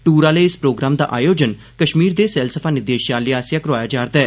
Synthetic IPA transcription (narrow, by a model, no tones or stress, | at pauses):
ʈuːɾaːləiɪspɾoːɡɾaːmd̪a̰ːʔa̰ːjoːd͡ʒən | kəʃmiːɾd̪eːsɛːlsəfʰaːnɪd̪eːʃjaːliːaːsjãːkəɾʊʋaːjaːd͡ʒaːɾd̪aɛː